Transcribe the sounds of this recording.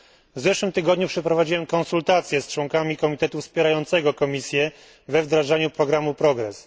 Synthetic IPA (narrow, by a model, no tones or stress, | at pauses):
vzɛʂwɘmt̪ɘɡɔd̪ɲupʂɛpɾɔvad͡ʑiwɛmkɔnsult̪at̪sʲjɛst͡ʂwɔŋkamʲikɔmʲit̪ɛt̪ufspʲjɛɾajɔnt̪sɛɡɔkɔmʲisʲjɛ | vɛvd̪ɾaʐaɲupɾɔɡɾamupɾɔɡɾɛ̰s